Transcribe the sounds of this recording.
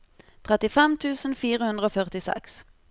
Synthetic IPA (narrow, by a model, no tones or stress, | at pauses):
t̪ʰʁɛt̪ɪfɛmt̪ʰʉːsn̩fiːʁəhʉnd̪ʁəoːfœʁt̪ɪsɛ̰ks